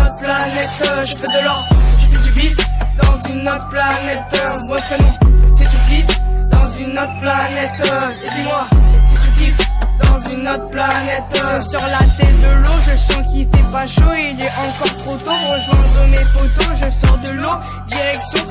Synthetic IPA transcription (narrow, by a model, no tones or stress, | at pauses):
t̪planɛt̪ʒəfɛd̪əlɔʁd̪ʒəfit̪ypitd̪ɑ̃zynːɔt̪planɛt̪bwakənɔ̃sɛt̪ukid̪ɑ̃zynːɔt̪χplanɛt̪ø | d̪imwasɛt̪ykid̪ɑ̃zynːɔt̪χəplanɛt̪ʒəsɔʁlat̪ɛt̪̚d̪əloʒəsɑ̃kit̪ɛpaʃoeilɛʔɑ̃kɔʁt̪χot̪oʁəʒwɛ̃d̪ʁəmefot̪oʒəsɔʁd̪əlo | d̪iʁɛksjɔ̃